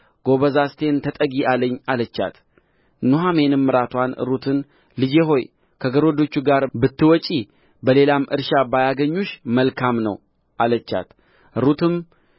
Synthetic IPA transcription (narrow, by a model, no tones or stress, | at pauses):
ɡ̥o̞βəzast̪ʰe̞nt̪ʰət̪ʼəɡiʔaləɲːalət͡ʃːa̰t̪ | nuɦamenɨmːɨɾat̪ʰwanɨ̰ɾut̪ʰɨn | lɨd͡ʒeɦo̞j | kʰəɡəɾod̪o̞t͡ʃːuɡaɾbɨt̪ːɨwɔt͡ʃʼi | bəle̞lamʔɨ̰ɾʃabajaɡəɲːuʃməlkʰamnə̰w | ʔalət͡ʃːa̰t̪ | ʔɨɾut̪ʰɨm